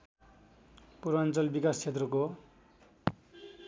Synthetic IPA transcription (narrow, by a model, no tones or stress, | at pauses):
puɾant͡sʌlbikast͡sʰet̪rʌko